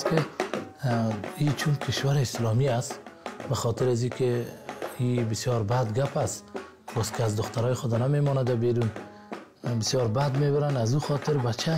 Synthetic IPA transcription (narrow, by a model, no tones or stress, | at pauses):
skɪ | it͡ʃʰunkʰɪʃwaɾɪɪslɔmiast̪baxɔt̪ɪɾazikʰɪ | ibɪsjɔɾbad̪ɡapas | bɔskɪazd̪ʊxt̪aɾɔːjɪxʊd̪anamemɔnad̪abiɾun | bɪsjɔɾbad̪mebɪɾanazuxɔt̪ɪɾbat͡ʃʰa